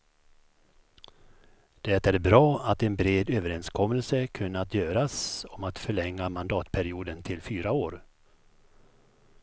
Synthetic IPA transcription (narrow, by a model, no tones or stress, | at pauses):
d̪̥ɛt̪æɾbɾɑːat̪ɛnbɾeːd̪øːvəɾɛnskʰɔmːəlsəkʰɵnːəat̪ʰjøːɾasɔmat̪fœɭɛŋːamand̪ɑːt̪pʰæɾɪuːd̪ənt̪ʰɪlfyːɾaoːɾ